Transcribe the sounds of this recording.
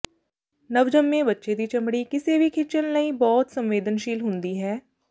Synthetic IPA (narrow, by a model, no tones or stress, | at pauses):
nəʋd͡ʒəmːẽbətːʃed̪iːt͡ʃɐmɽiːkɪsebʱikʰɪt͡ʃənnəĩbɔːt̪sə̃mʋeːd̪ənʃiːlɦʊ̃nd̪iːɦɛː